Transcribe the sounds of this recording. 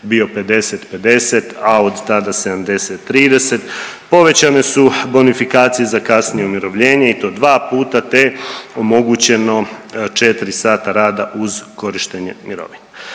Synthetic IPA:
bio̞pe̞d̪e̞set̪pe̞d̪e̞set̪ao̞d̪t̪ad̪ase̞d̪amd̪e̞set̪ːɾiːd̪e̞se̞t̪ | po̞ʋe̞t͡ɕane̞subo̞nifikaːt̪sijezakasnijeumiɾo̞ʋʎe̞ːɲe̞it̪o̞ːd̪ʋaːpuːt̪at̪eo̞mo̞ɡut͡ɕe̞no̞t͡ʃe̞t̪iɾisaːt̪aɾaːd̪aʔuzko̞ɾiʃt̪eɲemiɾo̞̰ʋine

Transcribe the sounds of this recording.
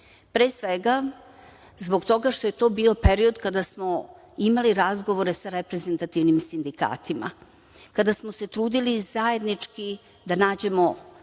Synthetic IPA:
pɾeːsʋeɡa | zbo̞ɡt̪o̞ɡaʃt̪o̞jet̪o̞ːbiːo̞peɾio̞d̪kad̪asmo̞ | imaliɾazɡo̞ʋo̞ɾe̞saɾepɾe̞ze̞nt̪at̪iʋnimsind̪ika̰ːt̪ima̰ | kad̪asmo̞se̞t̪ɾuːd̪ilizaje̞d̪nit͡ʂki | d̪anaːd͡ʑe̞mo̞

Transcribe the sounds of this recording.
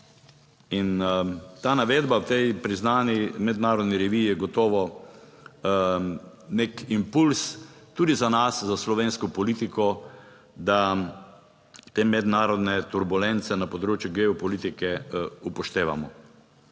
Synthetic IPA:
int̪aːnaʋeːd̪bawt̪ɛjpɾiznaːnimɛd̪naːɾɔd̪niɾɛʋiːjɛɡɔt̪ɔːʋɔ | nekimpulst̪uːd̪izanaszaslɔʋeːnskɔpɔliːt̪ikɔ | d̪a | t̪eːmɛd̪naːɾɔd̪nɛt̪uɾbulɛnt̪sɛnapɔd̪ɾoːt͡ʃjuɡɛɔpɔlit̪ikɛupɔʃt̪eːʋa̰mɔ

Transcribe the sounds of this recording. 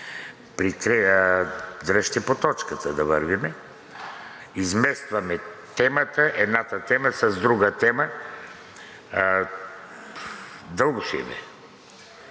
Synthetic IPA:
pɾikɾɛ | d̪ɾəʃt̪ɛpot̪ɔt͡ʃkat̪ad̪avəɾvimɛ | izmɛst̪vamɛt̪ɛmat̪aʔɛd̪nat̪at̪ɛmasazd̪ɾuɡat̪ɛma | d̪əlˠɡuʃḭbɛ̰

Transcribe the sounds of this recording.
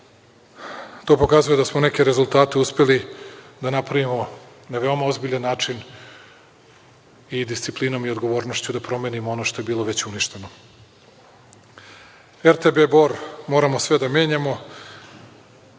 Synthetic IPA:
t̪o̞ːpo̞kazuje̞d̪asmone̞ke̞ɾe̞zulˠt̪aːt̪e̞uspe̞lid̪anapɾaʋimo̞ | naʋe̞o̞mao̞zbiʎanːaːt͡ʃin | id̪ist̪siplino̞mio̞d̪ɡo̞ʋo̞ːɾno̞ʃt͡ɕud̪apɾo̞me̞nimoono̞ʃt̪o̞jebiːlˠo̞ʋe̞t͡ɕuniʃt̪e̞no̞ | eɾt̪ebe̞bo̞ɾmo̞ːɾamo̞sʋe̞d̪ame̞ːɲamo̞

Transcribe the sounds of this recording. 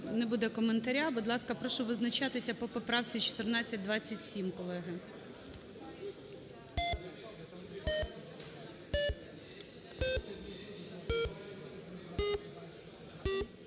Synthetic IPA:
nebud̪ɛkɔment̪ɐɾʲabud̪lˠɑskɐpɾɔʃʊʋɪznɐt͡ʃɑt̪ɪsʲɐpɔpɔpɾɑwt͡sʲit͡ʃɔ̥t̪ɪrnɑt͡sʲːɐt̚ʲd̪ʋɑt͡sʲːɐtʲsʲimkɔlˠɛɦɪ

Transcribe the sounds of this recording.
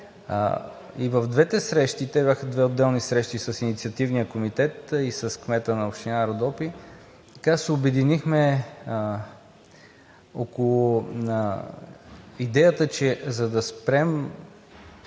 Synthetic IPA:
ivəvd̪vɛt̪ɛsɾɛʃt̪it̪ɛbʲjaxəd̪vɛod̪ːɛlˠnisɾɛʃt̪isɐsinit̪siɐt̪ivnijəkomit̪ɛt̪isɐskmɛt̪ənɐoʃt̪inaɾod̪ɔpi | t̪kasɛobɛd̪inixmɛ | okolˠʊ | id̪ɛjət̪ət͡ʃɛzɐd̪ɐspɾɛm

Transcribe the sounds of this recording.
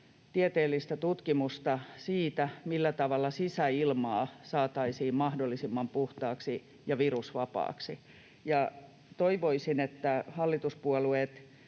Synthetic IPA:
t̪iet̪eːlːist̪æt̪ut̪kimust̪ɑsiːt̪æmilːæt̪ɑʋɑlːɑsisæilmɑːsɑːt̪ɑisiːmmɑhdolːisimːɑmpuht̪ɑːksi | jɑʋirusʋɑpɑ̰ːksi | jɑ | t̪oiʋoisinet̪ːæhɑlːit̪uspuɔluet̪

